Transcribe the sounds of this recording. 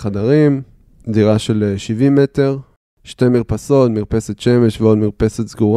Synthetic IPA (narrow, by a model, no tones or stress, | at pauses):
χadaʁim | diʁaʃe̞leʃivime̞te̞ʁ | ʃte̞miʁpaso̞tmiʁpe̞set̪ʃe̞me̞ʃveo̞dmiʁpe̞set̪zɡuʁ